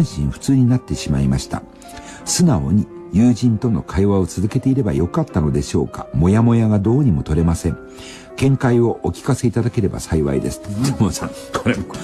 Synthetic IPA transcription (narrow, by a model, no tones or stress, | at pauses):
ɰ̃ɕĩɰɸɯ̥t͡sɨːɲ̟inat̪ːe̞ɕimaimaɕi̥t̪a̰ | sɨnao̞̰ɲ̟ijɯːʑĩnt̪o̞no̞̰kʰaiβao̞t͡sɨzɨke̞t̪e̞iɾe̞ba̰jo̞kat̪ːano̞d̪e̞ɕo̞ːka̰mo̞jamo̞jaɡad̪o̞ːɲ̟imo̞t̪o̞ɾe̞masẽ̞ŋ | kẽ̞ŋkaio̞ʔokʲi̥kase̞it̪ad̪ake̞ɾe̞ba̰saiβa̰id̪e̞̰sɨ̥d̪omosã̰ŋkʰoɾe